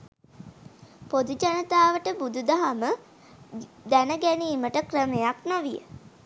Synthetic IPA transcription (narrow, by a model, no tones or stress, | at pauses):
pod̪ud͡ʒanət̪aːʋəʈəbud̪ud̪aɦamə | d̪ænəɡæniːməʈəkrəmejaknoʋijə̰